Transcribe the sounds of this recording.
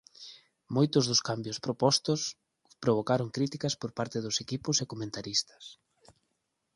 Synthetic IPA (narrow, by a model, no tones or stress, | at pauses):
mojt̪ʊzðʊskambjʊspɾopɔst̪ʊs | pɾoβ̞okaɾʊŋkɾit̪ikɐspoɾpaɾt̪eðʊsekipʊsekomẽnt̪aɾist̪ɐ̥s